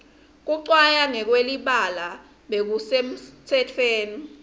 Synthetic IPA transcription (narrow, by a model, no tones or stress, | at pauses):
k̬uǀwajaŋɛk̬weliɓala | ɓek̬usem̩tʰɛtʰweːni